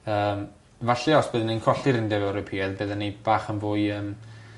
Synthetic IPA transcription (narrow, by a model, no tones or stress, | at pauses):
əːm | vaɬɛɔsb̥ɨːðənenkʰɔɬɪɾɪndɛvɛwɾɔpʰiːɛðbɨːðənːeb̥aːχənbʊːjəːm